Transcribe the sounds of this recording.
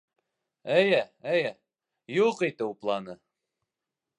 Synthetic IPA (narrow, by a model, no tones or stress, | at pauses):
ɘjæɘj | juqit̪ɘplˠɑnɤ